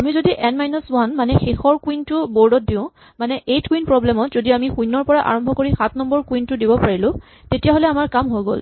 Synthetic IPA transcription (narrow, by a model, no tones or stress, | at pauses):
amizodiʔɛnmajnɔswanmanɛxexɔɹkwintʊboɹdɔt̚diʊ̃ | manɛʔejtkwinpɹɔblɛmɔtzodiamixũjnːɔɹpɔɹaʔa̰ɹɔmbʱɔkoɹixat̚ʰnɔmbɔɹkwintʊdibɔpaɹilʊ̃ | tetijaɦolɛamaɹkamɦojɡo̰l